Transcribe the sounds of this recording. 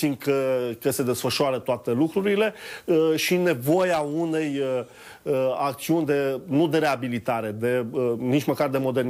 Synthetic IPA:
sinkəkəse̞d̪e̞sfəʃoaɾət̪oat̪e̞lukɾuɾile̞ʃine̞vo̞jaune̞j | ak̚t̪siunʲd̪e̞nud̪e̞ɾe̞abilit̪aɾe̞d̪e̞ənit͡ʃməkard̪e̞mo̞d̪e̞rn

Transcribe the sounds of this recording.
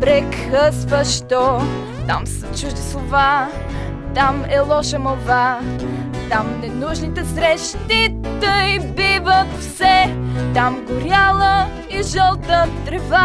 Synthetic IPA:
bɾɛkxəsvəʃt̪ɔ | t̪a̰msət͡ʃuʒd̪islˠova | t̪amɛlˠɔʃəmolˠva | t̪amnɛnuʒnit̪ɛsɾɛʃt̪it̪əibivət̪fsɛt̪amɡʊɾʲjalˠə | iʒəlˠt̪ət̪ɾɛva

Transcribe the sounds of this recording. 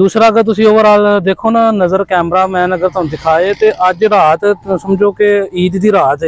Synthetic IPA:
d̪uːsɾaːəɡəɾt̪̬ʊsĩːoːəɾaːld̪eːkʰoːnaːnəzəɾkɛːmɾaːmɛ̃ːnəɡəɾt̪oːnũd̪ɪkʰaːeːt̪eːʔəd͡ʒɾaːt̪ːsəmd͡ʒoːkɪiːd̪ːiːɾaːt̪ɦɛː

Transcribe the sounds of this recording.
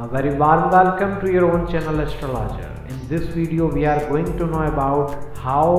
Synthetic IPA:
ʋɛɾiʋaːɾmʋɛlkə̃mʈujəɾõːnt͡ʃɛnəlɛsʈɾəla̰d͡ʒə̰ɾɪ̃nd̪ɪsʋiːɖioʋiaːɾɡoːɪ̃ŋɡʈunoːəbaʊʈhaʊ

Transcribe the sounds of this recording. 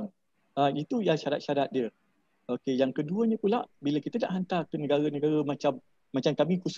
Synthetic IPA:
ait̪ujaʃaɾa̰t̪̚ʃaɾat̪̚diə | ʔokejaŋkəduəɲə̃pula̰ʔbiləkit̪əda̰ʔɦant̪akənəɡaɾənəɡaɾəmãt͡ʃamː | ãt͡ʃamkamĩkus

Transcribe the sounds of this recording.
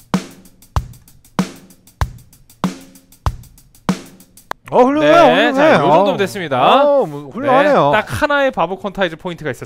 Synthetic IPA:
aɸuʎːoneeot͡ɕeejoɾodomdes͈ɯmɲidamɸuʎːoeanejot͈ak̚hanae̞pabɯkʰʌntʰaid͡ʑopʰointʰɯɡais͈ʌ

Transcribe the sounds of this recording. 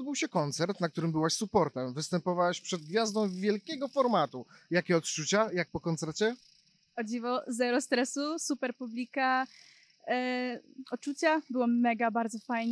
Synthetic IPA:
d̪̚bɘwɕɛkɔnt̪sɛɾt̪nak̚t̪uɾɘmbɘwaɕsupɔɾt̪ɛmvɘst̪ɛmpɔvawaɕpʂɛd̪̚ɡvʲjazd̪ɔ̃w̃vʲjɛlkʲɛɡɔfɔɾmat̪ujakʲɛɔt̪t͡ʂut͡ɕajak̚pɔkɔnt̪sɛɾt͡ɕɛ | ɔd͡ʑivɔzɛɾɔst̪ɾɛsusupɛɾpublʲika | ɔt̪̚t͡ʂut͡ɕabɘwɔmɛɡabaɾd̪zɔfajɲ

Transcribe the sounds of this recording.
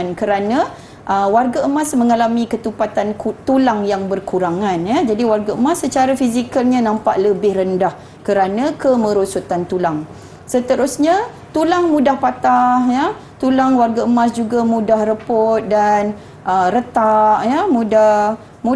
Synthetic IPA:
nkəɾanã | ʔəwarɡaəmasmə̃ŋalamikət̪upat̪ankt̪ulaŋjaŋbərkuɾaŋãnjad͡ʒadiwarɡaəmasːət͡ʃaɾafizikalɲãnãmpaʔləbɪhɾəndah | kəɾanãkəmə̃ɾosut̪ant̪ulaŋ | sət̪əɾʊsɲa | t̪ulaŋmudahpat̪ahjat̪ulaŋwarɡaəmãs̬d͡ʒuɡamudahrəpot̪̚dan | ʔəɾət̪aʔjamuda | mu

